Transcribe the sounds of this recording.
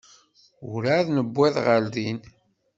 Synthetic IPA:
ʊɾaðnəbːɛðʁəld̪in

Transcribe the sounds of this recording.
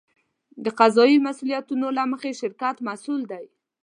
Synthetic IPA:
d̪əqazɑimasulijat̪unolaməxeʃɪɾkat̪masuld̪aj

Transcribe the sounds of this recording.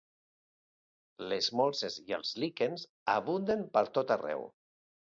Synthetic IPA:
lezmɔlˠseziə̰lˠzlikenz | aβ̞und̪əmpəɾt̪ot̪arɛ̰w

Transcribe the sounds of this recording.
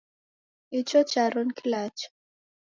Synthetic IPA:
it͡ʃɔt͡ʃaɾɔnkʰilat͡ʃɔ̥

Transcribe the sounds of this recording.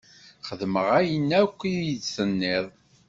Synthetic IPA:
χəðməʁæjənːækʷːijidsənːɪðˤ

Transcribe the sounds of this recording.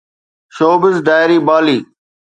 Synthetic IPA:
ʃoːbɪzd̪aːɪɾiːbaːliː

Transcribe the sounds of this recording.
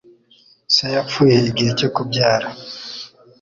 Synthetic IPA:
sejafuːjeiɡihecekubɟaːɾa

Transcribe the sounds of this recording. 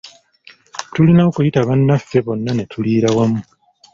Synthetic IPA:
tulinaokujitaβanːafːe̞βo̞nːane̞tʰuliːɾawamu

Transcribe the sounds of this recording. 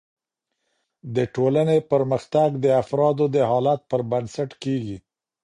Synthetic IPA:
d̪əʈolanepəɾməxt̪aɡd̪əafɾɑd̪od̪əɦɑlat̪̚pəɾbansaʈkeɡi

